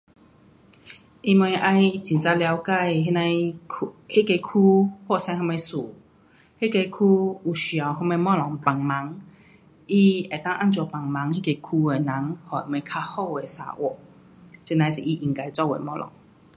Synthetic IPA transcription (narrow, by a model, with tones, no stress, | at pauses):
ʔi˧mwe˧˦ʔa˧jt͡ɕĩ˨nt͡sa˧lja˧wka˥˧˨jɦe˦nã˧jʰ | he˦˨ke˧jkʰu˦hwɔ˥˧˨sã˧˦ɦɔ˧me˧su˨˩ | he˦˨ke˧jkʰu˧u˨˩ɕy˨a˨˩wɦɔ˧˥me˧mɔ˥˧˨lɔ˨˦ŋpa˨˩ŋma˨˦ŋ | i˧e˨˩t̪a˥˧ŋʔa˥˨nt͡ɕɔ˧˩pa˨˩ŋma˨˦ŋhi˥˦ke˧˩kʰu˧e˨˩na˨˦ŋhɔ˨˩i˨˩mwe˧˦kʰa˧hɔ˥˧˨e˨˩sa̰˨˦ʔwɔ̰˨˩˨ | t͡ɕi˧˨na˧˦sḭ˨ʔi˧ʔi˨˩ŋka˧jt͡sɔ˥˧˨wḛ˨˦mɔ˥˧˨lɔ̰˨˦ŋ